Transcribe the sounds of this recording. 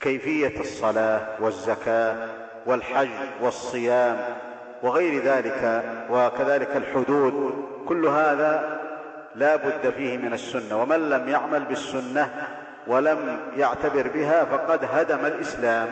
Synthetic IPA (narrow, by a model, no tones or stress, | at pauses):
kajfɪjːasˤːɑlaːwazːakaː | wɪlħad͡ʒːwɑsˤːɨjaːm | wɪɣajɾðaːlɪkawakaðaːlɪkalħʊd̪uːd̪̚kʊlːɦaːðaː | laːbʊd̪ːafiːhɪmɪnasːʊnːawamanlamjaʕmalbɪsːʊnːa | walamjaʕt̪abɪɾbɪɦaːfɑqɑd̪ɦad̪amalʔɪslaːm